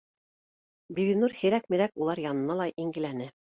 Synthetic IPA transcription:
biβinuɾhiɾæk̚miɾækulˠɑɾjɑnɤ̆nɑlˠɑʔiŋɡɘ̆lænɘ

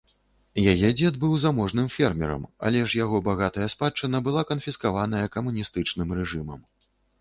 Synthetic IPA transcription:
jajɛd͡zʲɛd̪̚bɨwzamɔʐnɨmfʲɛrmʲɛɾɐ̰ma̰lʲɛʂjaɣɔbaɣat̪ɐjɐspat͡ʂːɨnɐbɨlˠakɐnfʲiskavanɐjɐkɐmunʲist̪ɨt͡ʂnɨmɾɛʐɨmɐ̰m

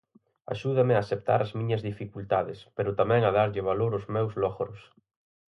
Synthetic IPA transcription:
a̰ʃuð̞ameaːsep̚t̪a̰ɾazmĩɲazðifikult̪aðespeɾʊt̪amɛ̃ŋað̞aɾʎɪβ̞aloɾozmɛwzlɔɣɾos

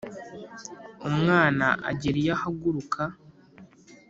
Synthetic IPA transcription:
umŋaːnaʔa̰ɟiɾijahaɡuɾukʰa

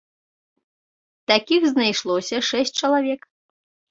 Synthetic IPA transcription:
t̪akʲixznajʂlˠɔsʲɐʂɛs̚ʲt͡ʂɐlˠavʲɛk

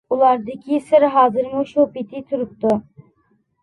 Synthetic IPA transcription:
ulˠaɾd̪ɯkʰʲisɯɾɦaːzɯɾmuʃupit̪ʰit̪ʰuɾup̚t̪ʊ

